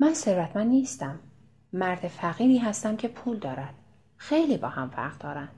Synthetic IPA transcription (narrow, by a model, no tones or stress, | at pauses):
mænse̞ɾvæt̪ʰmænd̪niːst̪æmː | æɾd̪efæɣiːɾiːɦæst̪æmcʰe̞pʰuːld̪ɒːɾæd̪̥̚ | xejliːbɒ̰ːhæmvæ̰ɾɣd̪ɒːɾænd̪̥